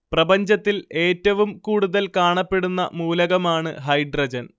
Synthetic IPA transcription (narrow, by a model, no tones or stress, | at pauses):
prɐbɐɲd͡ʑɐt̪ːile̞ːtːɐʋumkuːɽuðɐlkaːɳɐpːe̞ɽunːɐ̰muːlɐɣɐmaːɳɨ̰ɦɐjɖrɐd͡ʑɐn